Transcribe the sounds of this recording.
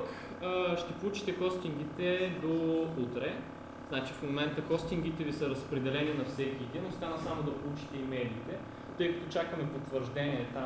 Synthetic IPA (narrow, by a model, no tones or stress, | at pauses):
kː | ʃt̪ɛpolˠut͡ʃi̥t̪ɛkɔst̪iŋɡ̟it̪ɛd̪out̪ɾɛ | znat͡ʃifmomɛnt̪əkɔst̪iŋɡ̟it̪ɛvisəɾɐspɾɛd̪ɛlɛninɐfsɛk̟ʲiɛd̪inost̪anəsamod̪ɐpolˠut͡ʃi̥t̪ɛimɛliːt̪ɛ | t̪ɤjkɐ̥t̪ot͡ʃakəmɛpot̪vəɾʒd̪ɛniɛt̪a